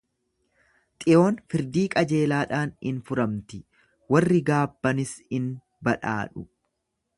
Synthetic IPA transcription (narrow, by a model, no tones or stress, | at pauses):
t̪ʼɪʔo̞ːnfɪɾd̪iːkʼɐd͡ʒe̞ːlaːᶑaːnɪnfʊɾɐmt̪ɪ | wɐrːɪɡaːbːɐnɪsɪn | bɐᶑa̰ːᶑʊ